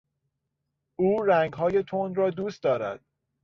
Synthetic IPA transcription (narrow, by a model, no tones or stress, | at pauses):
uːɾæŋɡɦɒːje̞t̪ʰonɾɒːd̪uːst̪d̪ɒːɾæ̰d̪̥